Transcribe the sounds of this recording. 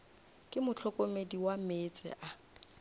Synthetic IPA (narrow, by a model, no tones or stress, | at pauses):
kʼɪmʊt͡ɬʰɔkʼomediwamet͡sʼɪ̰ʔa